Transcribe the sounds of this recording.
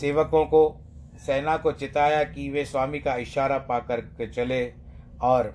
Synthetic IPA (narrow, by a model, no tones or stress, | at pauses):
seːʋəkõko | sɛːnakot͡ʃɪt̪aːjakiʋeswaːmikaɪʃaːɾapaːkɐɾkt͡ʃɐle | ɔːɾ